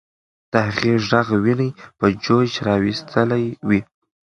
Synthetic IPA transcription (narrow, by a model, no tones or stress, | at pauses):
t̪ahɣiʒaɣwinəjpəd͡ʒod͡ʒɾɑwist̪ʰəlajwi